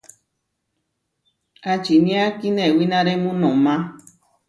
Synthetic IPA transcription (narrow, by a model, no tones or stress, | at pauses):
at͡ʃinĩakinewinãɾemũnõmã